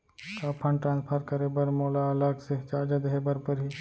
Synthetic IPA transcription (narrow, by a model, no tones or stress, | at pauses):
kaːpʰɐ̃ɳʈɾãːnspʰəɾkɐɾebɐɾmoːlaɐlaɡseɦt͡ʃaːd͡ʒad̪eɦebəɾpɐɾɦi